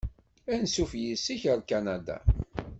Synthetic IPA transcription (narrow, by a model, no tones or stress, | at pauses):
ænsufjisːiçəɾkanad̪a̰